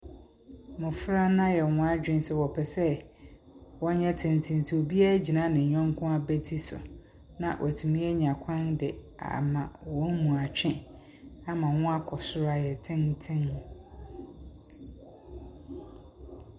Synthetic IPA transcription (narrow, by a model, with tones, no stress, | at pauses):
mʊ̃˨fɾa˦nã˦jɛ˨ŋʊ̃˦a˦d͡ʑᶣɪ̃˦nsɛ˦wɔ˨pʰɛ˨sɛ˦ | wɔ˦ɲã˦tʰɪ̃˨n˨tʰɪ̃˨n˨tʰi˨o˨bi˦a˦d͡ʑi˨nã˦nɪ̃˨ɲᶣɔ̃˦ŋ˦kʰʊ̃˦a˦bɛ˦tʰi˦sʊ̰˨ | nã̰˨ʔɔ̰˨tʰu˨mĩ˦ɛ˦ɲã˨kʷʰã˦ndɛ˨a̰˨mã˨wɔ̃˦mũ˨a˨t͡ɕᶣɪ̃˦ | a˦mã˨wʊ̃˦a˦kʰɔ˨sʊ˦ɾa˨jɛ˨tʰɪ̃˦n˦tʰɪ̃˦nːʊ̃˨